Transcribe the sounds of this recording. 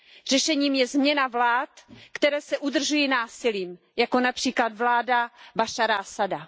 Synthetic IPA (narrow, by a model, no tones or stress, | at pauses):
r̝ɛʃɛɲiːmjɛzmɲɛnavlaːt̪kt̪ɛɾɛːsɛʔud̪r̩ʒujinaːsɪliːm | jakonapr̝̥iːklad̪vlaːdabaʃaɾasada